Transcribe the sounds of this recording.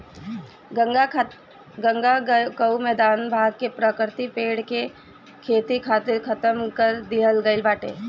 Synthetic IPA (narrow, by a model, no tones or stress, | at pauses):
ɡə̃ŋɡakəumɛːd̪aːnbʱaːɡkepɾəkɾt̪ipeːɽke | kʰeːt̪ikʰat̪ɪɾkʰɐt̪əmkəɾd̪ɪɦəlɡəɪlbaːʈḛː